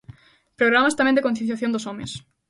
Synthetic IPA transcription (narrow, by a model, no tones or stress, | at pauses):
pɾoɣɾamast̪amɛ̃nd̪ɪkõnθjẽnθjaθjõnd̪osomɪ̰s